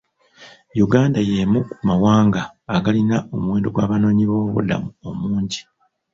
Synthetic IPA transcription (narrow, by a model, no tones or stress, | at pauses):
juɡaːndaje̞ːmukumawaːŋɡaːɡalinao̞muwe̞ːndo̞ɡwaːβano̞ːɲiβo̞ːβṵla̰muo̞muːɲɟi